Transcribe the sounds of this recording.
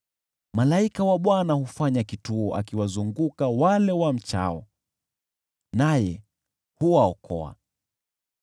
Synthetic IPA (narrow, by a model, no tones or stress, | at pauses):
malaikawaɓwanahufaɲakituɔʔa̰kiwazuŋɡukawalɛwam̩t͡ʃa̰ɔ | najɛ | huwaɔkʰɔ̰a̰